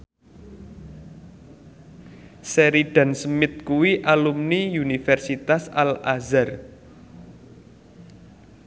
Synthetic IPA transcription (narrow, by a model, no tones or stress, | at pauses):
sɛɾiɖ̥a̤nsəmɪt̪̚kuwiʔalumniunifɛrsit̪asalazar